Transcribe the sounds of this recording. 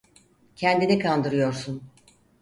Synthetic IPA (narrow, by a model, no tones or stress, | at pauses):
cʰɛnd̪inɛkʰand̪ɯɾɯjo̞ɾsun